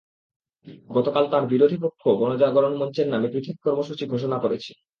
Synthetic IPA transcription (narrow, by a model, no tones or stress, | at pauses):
ɡɔt̪okalt̪aɾbiɾod̪ʱipokʰːobɔnod͡ʑaɡɔɾonmɔnt͡ɕeɾnamekɾit̪ʰik̚kɔɾmoʃut͡ɕiɡʱoʃonakoɾet͡ɕʰi̥